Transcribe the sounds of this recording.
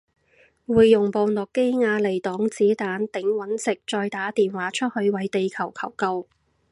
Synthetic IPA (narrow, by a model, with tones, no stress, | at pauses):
wuː˨jːʊ˨˩ŋpo˨˧wnɔː˨kːe˥jŋaː˧le˨˩jt̪ɔː˨˥ŋt͡siː˨˥t̪aː˨˥nt̪ɪ˨˥ŋwɐ˨˥nsɪ˨˩k̚t͡ʃɔː˧jt̪aː˨˥t̪iː˨nwaː˨˥t͡ʃʰɵ˥t̚hɵ˧ɥwɐ˨˥jt̪e˨jkʰɐ˨˩wkʰɐ˨˩wkɐ˧w